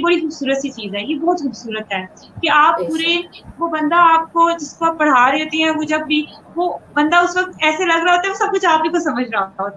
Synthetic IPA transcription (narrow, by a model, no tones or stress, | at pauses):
bɐɽixʊːbsuːɾət̪sit͡ʃiːzɦɛːjebɔːt̪xʊːbsuːɾət̪ɦɛː | keaːpːuːɾeʋoːbɐ̃nd̪aaːp̚kod͡ʒɪskoaːpːɐɽ̤aːɾeɦoːt̪eɦɛ̃ʋod͡ʒɐbːʱi | ʋoːbɐ̃nd̪aʊsʋɐk̚t̪ɛːselɐɡɾaɦoːt̪aɛʋosɐb̚kʊt͡ʃʰaːpbikosɐməd͡ʒʱɾaaɦoːt̪aɦoːt̪a